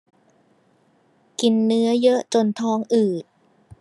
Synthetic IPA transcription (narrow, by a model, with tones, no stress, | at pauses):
ki˧nːɯ˦˥ɐjɤ˦˥ʔt͡ɕo˧nt̪ʰɔː˦˥ŋʔɯː˨˩t̪̚